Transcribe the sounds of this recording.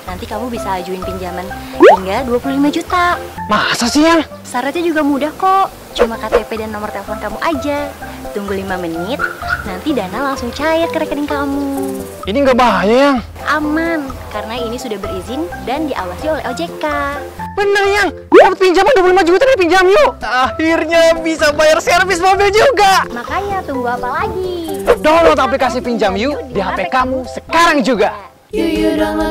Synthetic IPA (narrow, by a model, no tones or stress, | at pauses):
nant̪ikamubisaːd͡ʒuɪnpiɲd͡ʒamaniŋɡaduapuluhlimad͡ʒut̪amasasɪhja | saɾad͡ʒad͡ʒuɡamudahkoʔ | t͡ʃumakat̪epedanːɔmərt̪elefɔnkamuʔad͡ʒa | t̪uŋɡʊlːimamənɪt̪̚nant̪idanalaŋsʊŋt͡ʃajɛt̪̚kəɾɛkədɪŋkamu | iniŋɡabajaŋ | ʔamankarənainisudahbəɾizɪndandiʔa̰wasiolɛ̰ɦod͡ʒeka | bənərjaŋɡuaaət̪̚piɲd͡ʒamanduap̬ulimad͡ʒuɡat̪andipiɲd͡ʒamjuahirɲabisabajarsəkaɾfis̬mobɪld͡ʒuɡamakajat̪umbuapalaɡidɔlŋt̪aplikasipiɲd͡ʒamjudiɦapakamusəkaɾaŋd͡ʒuɡa